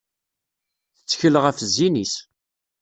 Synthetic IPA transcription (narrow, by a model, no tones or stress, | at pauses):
θət͡sːçələʁæfəzːinis